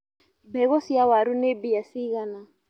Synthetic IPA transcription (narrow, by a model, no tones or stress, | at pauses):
bɛɣɔsiawaɾunebijasiɣana